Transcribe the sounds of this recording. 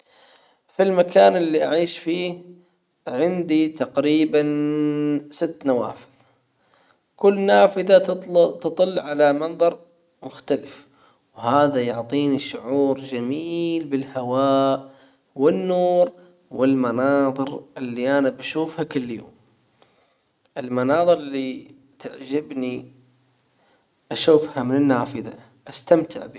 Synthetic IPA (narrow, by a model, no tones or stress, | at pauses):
filmakaːnʔɪlːiʔaʕiːʃfiː | ʕɪnd̪it̪aqɾiːban | sɪt̪ːnawa̰ːfɪð | kʊlːnaːfɪðat̪ɨt̪ˤɨlːʕalamɑnðˤɑɾˤ | mʊxt̪alɪf | whaːðajʊʕt̪ˤiːniʃʊʕuːɾd͡ʒamiːlbɪlhawaːʔ | wɪnːuːɾ | wɪlmanɑːðˤɨɾʔɪlːiʔanabaʃuːfhakʊlːjo̰ːm | ʔɪlmanɑːðˤɨɾˤɪlːi | t̪aʕd͡ʒɪbni | ʔaʃuːfhamɪnɪnːaːfɪða̰ | ʔast̪amt̪ʰɪ̰ʕbi